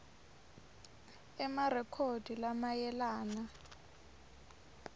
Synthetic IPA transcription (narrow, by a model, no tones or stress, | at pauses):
ɛmarɛkʰod̥ʱilamajɛlaːna